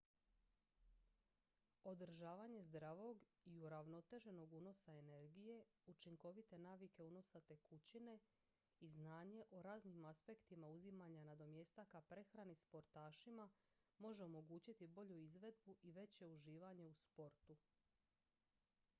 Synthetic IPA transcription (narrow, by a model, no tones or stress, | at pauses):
o̞d̪ɾ̩ʒaːʋaɲe̞zd̪ɾaʋo̞ɡiuɾaʋno̞t̪e̞ʒe̞no̞ɡuno̞sae̞ne̞ɾɡije̞ | ut͡ʃiŋko̞ʋit̪e̞naːʋike̞uno̞sat̪e̞kut͡ɕine̞ | iznaːɲe̞ʔo̞ɾaːznimaspe̞kt̪imauzimaɲanad̪o̞mje̞st̪akapɾe̞xɾanispo̞ɾt̪aːʃima | mo̞ʒe̞o̞mo̞ɡuːt͡ɕit̪ibo̞ʎuizʋe̞d̪buʔiʋe̞t͡ɕe̞uʒiːʋaɲe̞uspo̞ɾt̪u